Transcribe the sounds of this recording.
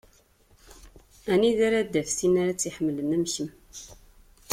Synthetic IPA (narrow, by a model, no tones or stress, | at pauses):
æniðaɾad̪ːæfsinaɾat͡sːiħəmːələnæmçəm